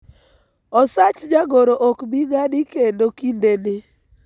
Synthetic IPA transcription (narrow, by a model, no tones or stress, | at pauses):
ɔsat͡ʃd͡ʒaɡoɾoʔokbiŋadɪkendokindenɪ